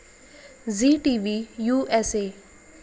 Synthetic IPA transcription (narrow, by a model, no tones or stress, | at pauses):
ziːʈiːʋijuːʔɛseː